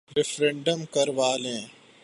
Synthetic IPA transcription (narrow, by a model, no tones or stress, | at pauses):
ɾɪfʰɾẽɳɖəmkɐɾʋaːlẽː